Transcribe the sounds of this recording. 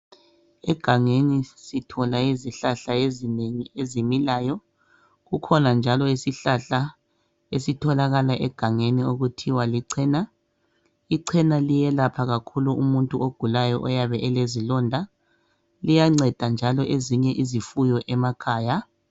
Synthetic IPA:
ɛɡ̥ʱaŋenisitʰɔlaiziɬaɬaezineŋiezimilaːjɔ | ɣukʰɔnand͡ʒʱalɔisiɬaɬa | esitʰɔlaɣalaʔɛɡ̥ʱaŋenioɣutʰiwaliǀʰɛːna | iǀʰɛnalijɛlapʰaɣakʰuluumuntʼuoɡ̥ʱulajɔʔɔjaβɛʔɛlezilɔndʱa | lijaŋ͡ǀɛd̥ʱand͡ʒʱalɔʔeziɲɛʔizifujɔʔɛmakʰaːja

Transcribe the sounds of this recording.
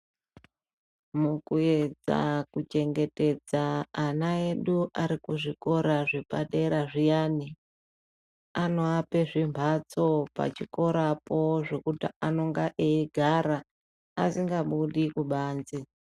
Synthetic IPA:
mukue̞d͡za̰kut͡ʃe̞ŋɡe̞te̞d͡zaːnae̞ɗuʔaɾikuʐiko̞ɾaʐipaɗe̞ɾaʐijaːni | ano̞ape̞ʐimbʱat͡so̞pa̰t͡ʃiko̞ɾapo̞ʐe̞kutiano̞ŋɡaʔeiɡʱaɾaː | siŋɡaɓuɗikuɓaːnd͡zi

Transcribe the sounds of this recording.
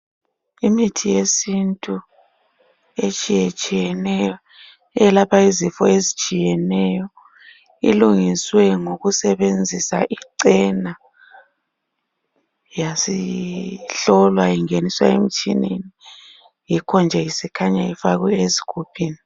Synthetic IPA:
imitʰijesintʼu | et͡ʃʼijet͡ʃʼijɛnɛjɔ | ɛlapʰaizifɔezit͡ʃʼijɛnɛjɔ | ḭluŋiswɛŋoɣusɛβend͡zʱisa̰ʔiǀɛna | jasi | ɬɔlwajiŋeniswa̰ḛm̩t͡ʃʼḭnḛni | jikʰɔnd͡ʒʱɛjisikʰaɲajifaɣwɛezikʰupʰiːni

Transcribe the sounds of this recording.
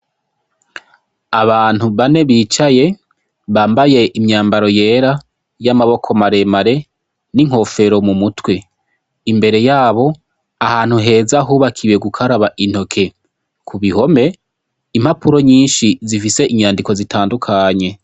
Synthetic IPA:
aβaːn̥huβane̞βiːt͡ʃaje̞ | βaːmbaje̞ʔimɲaːmbaɾo̞je̞ːɾa | jamaβo̞kʰo̞maɾe̞maɾe̞ | niŋ̥ho̞fe̞ɾo̞mumutwe̞ | imbe̞ɾe̞jaːβo̞ | ahaːn̥huɦe̞ːzaɦuβakʰiweɡukʰaɾaβaʔin̥ho̞kʰe̞ | kʰuβiho̞me̞ | imhapʰuɾo̞ɲiːnʃizifise̞ʔiɲaːndiko̞zitaːndukʰaɲe̞

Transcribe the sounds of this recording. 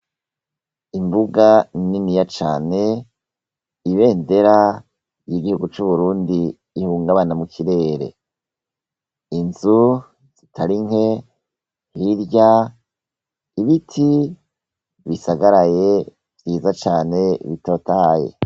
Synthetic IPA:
imbuɡanininijat͡ʃaːne̞ | iβe̞ːnde̞ɾa | jiɡihuɡut͡ʃuβuɾuːndiː | huːŋɡaβanamukiɾe̞ːɾe̞̰ | inzu | z̥itʰaɾiŋ̥he̞ | hiɾɟa | iβitʰi | βisaɡaɾaje̞ | vjiːzat͡ʃaːne̞βito̞ːtahaje̞̰

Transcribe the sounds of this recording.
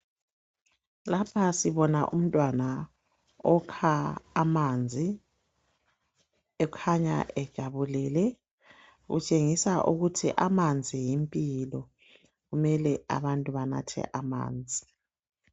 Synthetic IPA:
lapʰasiβɔnaʔum̩tʼwana | ɔkʰaːmand͡zʱi | ɛkʰaɲa̰ʔɛd̥ʒ̥ʱaβulɛlɛ | ɣṵt͡ʃʼeŋisaʔuɣutʰḭʔamand͡zʱijimpʼilɔ | ɣumɛlɛa̰βantʼuβana̰tʰɛ̰ʔama̰ːnd͡zʱi

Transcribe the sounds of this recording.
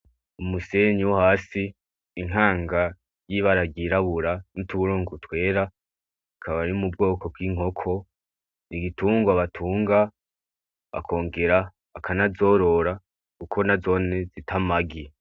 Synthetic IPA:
umuseɲiwuhaːsiː | ŋ̥ɦaːŋɡa | jiβaɾaɡiɾaβuɾanutuβuɾoːŋɡutwe̞ːɾa | ikʰaβaɾiumub̚ɡo̞ːko̞bɡiːŋ̥ho̞kʰo̞ | niɡituːŋɡwaβatʰuːŋɡa | βa̰kʰo̞ːŋɡe̞ɾa | akʰanazo̞ːɾo̞ɾa | kukʰo̞nazo̞ne̞zitʰamaɡi

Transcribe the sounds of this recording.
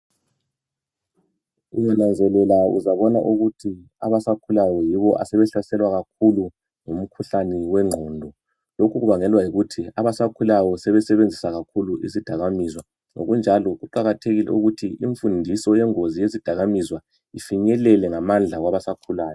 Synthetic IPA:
ṵjɛnand͡zʱɛlɛlaṵzaβɔna̰ʔuɣutʰi | a̰βasakʰulajɔjiβɔʔa̰sɛβɛɬasɛlwaɣak̚ʰulu | ŋum̩kʰuɬaniwɛŋ͡ǁʱɔːndʱɔ | lokʰuɣuβaŋɛlwajiɣutʰiaβasakʰulajɔsɛβɛsɛβend͡zʱisaɣakʰuluʔḭzid̥ʱaɣamizwa | no̰ɣund͡ʒʱalɔɣuǃaɣatʰeɣilɛ̰uɣutʰiiɱfundʱisɔjɛŋozijezid̥ʱaɣamizwa | ifiɲɛlɛlɛŋamand͡ɮʱaɣwaβasakʰulaːjɔ

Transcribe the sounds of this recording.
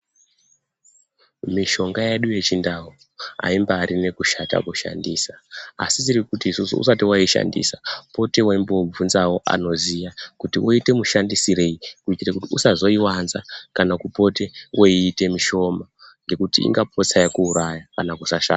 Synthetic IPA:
miʃo̞ŋɡajeɗuje̞t͡ʃindaɦo | a̰imbaːɾine̞kuʃata̰kuʃa̰ndiːsaa̰sitirikutiːsusṵṵsatiwaiʃa̰ndḭːsapo̞te̞waimbob͡vvunzawo̞ʔa̰no̞zijakutiwoite̞muʃandisiɾe̞ikuitirakutiusazo̞iwanzakanakupo̞te̞woiːte̞miʃo̞maŋɡe̞kutiḭŋɡap̚ʰo̞t͡sajakuːɾajakanakusaʃa̰ːa

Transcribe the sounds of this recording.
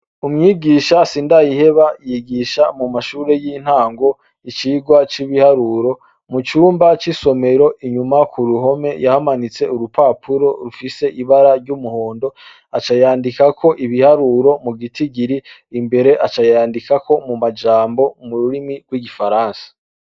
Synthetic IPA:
umŋiːɡiːʃasiːndajihe̞βajiɡiʃamumaʃuːɾe̞jiːn̥haːŋɡo̞ | it͡ʃiːɡwat͡ʃiβihaɾuɾo̞ | mut͡ʃuːmbat͡ʃiso̞me̞ɾo̞ʔiɲumakuɾuɦo̞me̞jahamanit͡se̞uɾupaːpʰuɾo̞ɾufise̞ʔiβaɾaɾɟumuho̞ːndo̞ | at͡ʃajaːndikakʰo̞ʔiβihaɾuɾo̞muɡitiɡiɾiː | mbe̞ɾe̞ʔat͡ʃajaːndikako̞mumad͡ʒaːmbo̞muɾuɾimiɡ̥wiɡifaɾaːnsḁ

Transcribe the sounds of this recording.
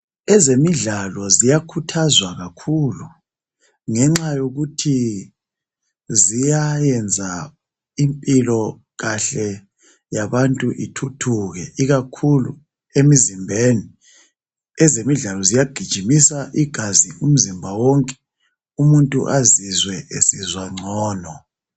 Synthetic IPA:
ɛzemiɮalɔzijakʰutʰazwaɣakʰulu | ŋɛŋ͡ǁajoɣutʰi | zijajɛnd͡zʱa | impʼilɔ | ɣaɬɛ | jaβantʼuʔitʰutʰuɣɛʔiɣakʰulṵ | emizimbʱeni | ɛzemiɮalɔzijaɡ̥ʱid̥ʒ̥ʱimisaʔiɡ̥ʱazium̩zimbʱawɔŋkʼɛ̥ | umuntʼṵʔazizwɛesizwaŋ͡ǀʱɔːnɔ

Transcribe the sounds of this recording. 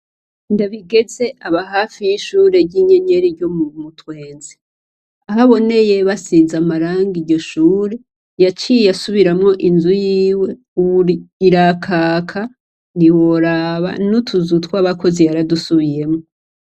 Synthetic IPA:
ndaβiɡe̞ze̞ʔaβaɦaːfijiʃuːɾe̞ɟiɲe̞ɲe̞ɾiɟomumutwe̞ːnze | aɦaβo̞ne̞je̞βasiːnzamaɾaːŋɡiɟo̞ʃuːɾe̞ | jat͡ʃijasuβiɾamŋo̞ʔinzujiːwe̞ | uβiɾakʰaːkʰa | niwoɾaβa̰nutʰuzutwaβako̞zijaɾadusuβije̞mŋo

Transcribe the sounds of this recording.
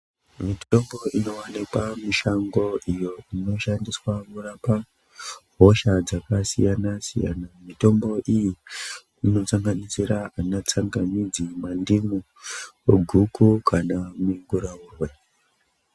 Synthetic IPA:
mitombo̞ʔino̞wanikwamiʃaŋɡo̞ʔijo̞ino̞ʃandiswamurapa | ɦoʃad͡zakasḭjanasḭja̰namito̞mbo̞ʔiji | ino̞t͡saŋɡanisiɾaanat͡saŋɡanid͡zimandimu | eɡʱukʰukʰanamiŋɡuɾauːrwe̞

